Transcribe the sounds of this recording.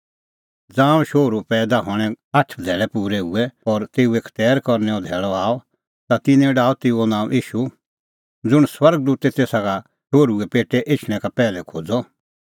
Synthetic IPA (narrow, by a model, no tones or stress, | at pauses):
d͡zãːʃoːɾupɛːd̪aɦɔ̃ːɛ̃ | aʈʰd̪ʱɛːlɛpuːɾɛɦṵɛɔːɾt̪eːuekʰt̪ɛːɾkɔɾnɛɔd̪ʱɛːɭɔaːɔ | t̪at̪ɪ̃nɛ̃ɖaːɔt̪eːuonãːʔiːʃu | d͡zʊɽ̃swɐɾɡ̚d̪uːt̪ɛt̪eːsaka | ʃoːɾuɛpeːʈːɛʔet͡ʃʰɽ̃ɛ̃kapɛːlɛkʰoːd͡zɔ